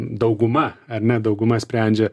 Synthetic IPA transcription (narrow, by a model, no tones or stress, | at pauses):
d̪ɐʊɡʊmɐɐɾʲnʲɛd̪ɐʊɡʊmɐsʲpʲɾʲæˑnʲd͡ʒʲɛ